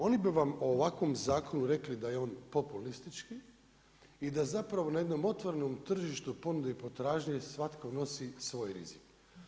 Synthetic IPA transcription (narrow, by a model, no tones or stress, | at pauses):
o̞nibiʋamoːʋakʋo̞mzaːko̞nuɾe̞klid̪ajeo̞ːnpo̞pulist̪it͡ʃki | id̪azapɾaʋo̞naje̞d̪no̞mo̞t̪ʋoɾeno̞mt̪r̩ʒiʃt̪upo̞nud̪ipo̞t̪ɾaːʒɲesʋat̪kono̞sisʋo̞ːjɾḭzik